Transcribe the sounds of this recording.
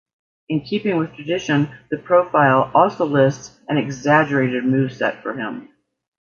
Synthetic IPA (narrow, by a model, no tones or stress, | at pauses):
ɨ̃nkʰipɪ̃ŋwɨð̥tʰɹ̥ɨdɪʃɨ̃nðɨpʰɹ̥oʊfaɪlˠɔlˠsoʊlɪsts | ɨ̃nɨɡzæd͡ʒə˞eɪɾɨd̚mʉv̥sɛ̰tfə̰˞ɪ̃m